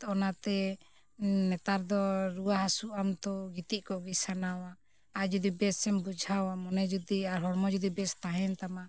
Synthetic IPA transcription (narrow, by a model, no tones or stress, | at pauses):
ɔnat̪ɛ | nɛt̪aɾd̪ɔɾuwaɦasuʔamt̪ɔɡit̪iʔkɔʔɡisanawa | ad͡ʒud̪ibɛsɛmbud͡ʒʱawamɔnɛd͡ʒud̪iaɾɦɔɾmɔd͡ʒud̪ibɛst̪aɦɛnt̪ama